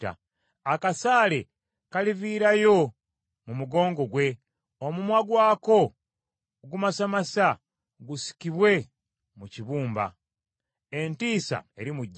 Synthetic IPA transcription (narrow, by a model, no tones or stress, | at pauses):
a̰ | akasaːle | kaliviːɾajo̞ | mumuɡo̞ːŋɡo̞ɡwe̞ | omumwaɡwaːko̞ | ɡumasamasa | ɡusi̥kiβwe̞ | muciβuːmba̰ | entiːsa̰e̞ɾimuɟː